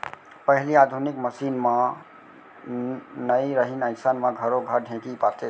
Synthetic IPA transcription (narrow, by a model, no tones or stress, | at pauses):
pəɦliad̪ʱunikməsinmã | nəiɾəɦinə̃ɪsanmãɡʱəɾoɡʱəɾɖʱẽkipat̪e